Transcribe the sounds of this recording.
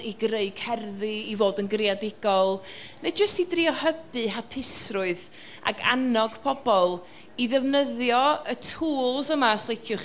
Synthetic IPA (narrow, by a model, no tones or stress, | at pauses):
iɡreɨɡ̥hɛrðiːvoːdənɡrjadɪɡ̥ɔlˠ | ned͡ʒəstidriɔhəbɨɦapʰɪsrʊɨð | a̰ɡa̰nɔɡ̥pʰɔbɔlˠ | iðɛvnəðjɔətʰuːlˠsəmaːslˠejkʰjʊχ